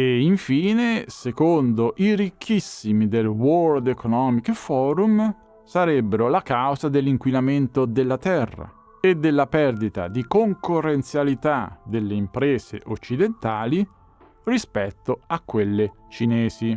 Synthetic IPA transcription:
eiɱfiːnesekond̪oʔirikʰːisːimid̪elwɔɾd̪ekonɔːmikefɔːɾum | saɾɛbːeɾolakawzad̪elːiŋkwinament̪od̪elːat̪ɛrːa̰ | ed̪ːelːapɛrd̪it̪a̰d̪ikoŋkorːent̪sjalit̪ad̪elːeimpɾɛːzḛʔot͡ʃːid̪ent̪aːli | rispɛt̪ːoakːwelːe | t͡ʃinɛːzi

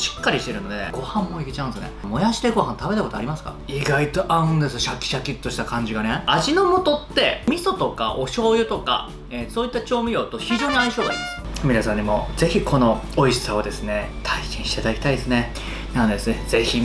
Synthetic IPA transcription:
ɕi̥kːaɾʲiɕi̥t̪e̞ɾɯ̟no̞d̪e̞̰ɡ̥o̞hãmːo̞ikʲit͡ɕã̟nesɨnḛmo̞jaɕi̥t̪eɡo̞ɦãnt̪ʰabe̞t̪ako̞t̪oa̰ɾʲimasɨ̥ka̰ | iɡait̪o̞ʔaɯ̟̃nd̪e̞sɨɕakʲːi̥ɕakʲit̪ːo̞ɕi̥t̪akãɲ̟d͡ʑiɡane̞aʑino̞mo̞t̪o̞t̪ːe̞mʲiso̞t̪o̞ka̰ʔo̞ɕo̞ːjɯ̟t̪o̞ka̰ | eso̞ːit̪ːat͡ɕo̞ːmʲijo̞ːt̪o̞çiʑoːɲ̟iaiɕo̞ːd̪a̰ɾʲḭma̰sɯmʲiɾasãɲ̟imo̞ze̞çikʰo̞no̞oiɕi̥saod̪e̞sɨne̞t̪ʰaiɕĩɕi̥t̪ad̪akʲi̥t̪aid̪esɨne̞ | nand̪e̞sɨze̞çi

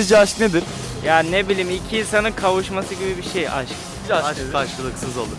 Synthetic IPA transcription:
d͡ʒɛaʃkned̪iɾ̥ | jaːninebilʲiːmicʰiinsanɯnkʰavuʃmasɯɟibibiʃeja̰ʃk | aʃaʃkɯlˠɯksɯzo̰lˠʊ

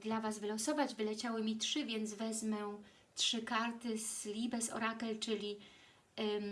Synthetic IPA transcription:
d̪lavasvɘlɔsɔvad͡ʑvɘlɛt͡ɕawɘmʲitʂɘvʲjɛnd̪zvɛzmɛ | tʂɘkaɾt̪ɘslʲibɛsɔ̰ɾakɛlt͡ʂɘlʲi

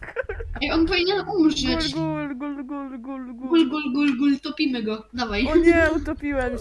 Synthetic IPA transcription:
iɔnpɔvʲiɲɛnʔumɛt͡ɕɡulɡulɡulɡulɡulɡulɡulɡult̪ɔpʲimɘɡɔd̪avajɲɛut̪ɔpʲiwɛm

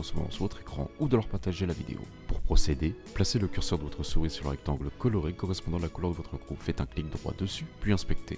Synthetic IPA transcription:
ɑ̃səmɔ̰mɑ̰̃sʁvot̪χekχɑ̰̃ud̪əlœʁpaʁt̪aʒelavḭd̪ḛo̰ | puʁpχɔsed̪e | plaseləkʲyʁsœʁd̪əvɔt̪χəsuʁisyʁlə̰ʁɛk̚t̪ɑ̃ɡləkɔlɔʁekɔʁɛspɔ̃d̪ɑ̃alakulœʁd̪əvɔt̪χəɡʁupfɛt̪ɛ̃klik̚d̪əʁwa̰d̪əsypɥiɛ̃spɛk̚t̪ʰḛ

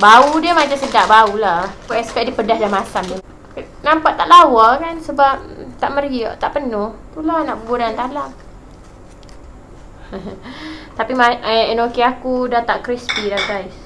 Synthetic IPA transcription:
baudiəmad͡ʒasədaʔ̚baulakuɛspɛʔ̚diəpədahdamasamda | nampaʔt̪ːaʔlawakansəbap̚t̪aʔməɾiaʔt̪aʔpənʊht̪ulahnaʔbəɡuɾant̪aʔlaʔ | h | t̪apimaəɛnokeakudat̪aʔkɾispilahɡajs

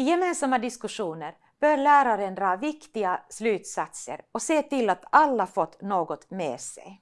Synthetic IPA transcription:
ɪjɛmeːnsamːad̪ɪskɵʂuːnəɾ | b̥œːɾɭæːɾaɾənd̪ɾɑːvɪkt̪ɪɡaslʉ̟ːt̪sat̪sə̰ɾɔseːt̪ɪlːat̪alːafɔt̪ːnoːɡɔt̪mḛːsɛ̰j

